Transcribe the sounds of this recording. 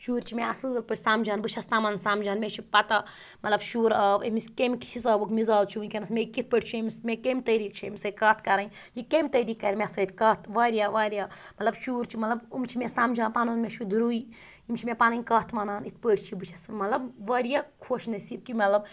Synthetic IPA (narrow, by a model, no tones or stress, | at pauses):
ʃuːɾt͡ʃʰimeɐslɡəlpəʈʰʲsaːmd͡ʒɐːnbɨt͡ʃʰɐst̪aːmɐnɐnsaːmd͡ʒaːnmʲet͡ʃʰipɐt̪a | mɐt̪lɐbʃuːɾɐːbḛmiskemkʰisɐbukmizaːzt͡ʃʰinʲkenɐsmʲekit̪̚ʰpəʈt͡ʃʰiemʲismʲekemʲt̪ɐɾiːk̚t͡ʃʰimʲisɐkɐːt̪ʰkɐɾaijikemʲt̪ɐɾiːkːɐɾʲmʲesɐt̪kɐt̪ʰʋaːɾʲjaʋaːɾʲjamɐt̪lɐbʃuːɾt͡ʃʰimɐt̪lɐbumt͡ʃʰimesaːmd͡ʒaːnpaːnonmʲet͡ʃʰid̪ɾui | imt͡ʃʰimʲepaːnɐnʲkɐːt̪ʰmɐnanit̪̚ʰpəʈʰt͡ʃʰibɨt͡ʃʰɐsmɐt̪lɐbʋɐːɾjakʰoʃnɐsib̚kimɐt̪lɐb